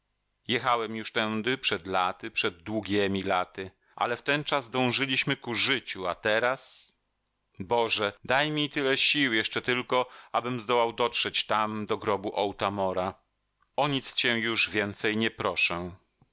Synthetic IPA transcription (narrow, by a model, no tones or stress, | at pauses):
jɛxawɛmjuʂt̪ɛnd̪ɘpʂɛd̪lat̪ɘpʂɛd̪ːwuɡʲɛmʲilat̪ɘ | ʔa̰lɛft̪ɛnt͡ʂazd̪ɔ̃w̃ʐɘlʲiɕmɘkuʐɘt͡ɕuat̪ɛɾas | bɔʐɛd̪ajmʲit̪ɘlɛɕiwjɛʂt͡ʂɛt̪ɘlkɔʔabɘmzd̪ɔwawd̪ɔtʂɛt͡ɕt̪amd̪ɔɡɾɔbuʔɔwt̪amɔɾa | ɔɲit̪st͡ɕɛ̃juʐvʲjɛnt̪sɛjɲɛpɾɔʂɛ̃